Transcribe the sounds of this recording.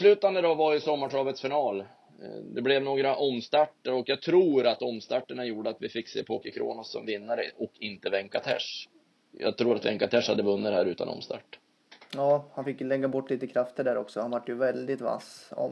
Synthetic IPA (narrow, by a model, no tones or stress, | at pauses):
slʉːt̪and̪əd̪ɔvajɵsɔmːaʈɑːbət̪sfɪnɑːl | d̪ɛblɛvnoːɡɾaʔɔmːst̪aʈːəɾɔkjɑːɡ̚t̪ʰɾuːɾat̪ɔmst̪aʈːəɳajuːɖəat̪vɪfɪkːsḛːpʰoːkɪkʰɾo̰ːnɔsːɔ̰mvɪnːaɾəʔɔkʰɪnt̪əvɛŋkat̪ʰɛ̰ʂ | jɑ̰ːɡt̪ʰɾuːɾat̪vɛŋkat̪ʰɛʂhad̪ːəvɵnːəd̪æːɾʉ̟ːt̪a̰nɔ̰mst̪a̰ʈː | jɑːhanfɪkjlɛɡːabɔʈːliːt̪əkʰɾaft̪ʰəɖæːɾɔksɔhanvaʈːjɵvɛld̪ɪt̪va̰sɔ̰